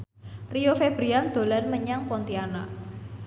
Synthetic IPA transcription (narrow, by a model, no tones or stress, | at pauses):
rijofeb̥ɾiand̪̥o̤lanməɲaŋpɔnt̪iana̰